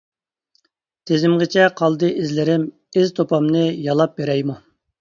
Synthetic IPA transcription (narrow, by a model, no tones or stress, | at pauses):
t̪ʰezɪmʁɪt͡ʃʰɛqʰɑlˠd̪ɨʔɪzlɪɾɪm | ɪzt̪ʰopɑmnɨjɑlˠɑp̚beɾɛjmu